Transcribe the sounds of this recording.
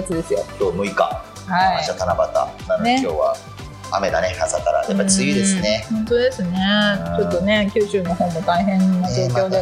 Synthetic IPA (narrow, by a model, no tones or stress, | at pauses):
at͡sɨd̪e̞sɨjotoːmɯ̟ika̰ | haiaɕiat̪anabat̪a̰nanoekʲo̞ːβa̰ | ame̞d̪anehasakaɾa̰japːait͡sɨjid̪esɨnehõ̞nt̪od̪e̞sɨne̞t͡ɕo̞t̪ːo̞ne̞kʲɨːɕɨːno̞ɦo̞ːmot̪aiɦẽ̞nːod͡ʑoːkʲo̞ːd̪e